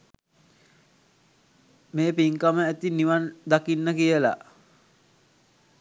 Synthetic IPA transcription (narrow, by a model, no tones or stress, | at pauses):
meːpiŋkaməæt̪iniʋand̪akinːəkijəla̰